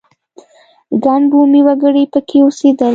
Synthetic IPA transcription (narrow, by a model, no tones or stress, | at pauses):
ɡanbumiwaɡəɽipəkʰeosed̪əl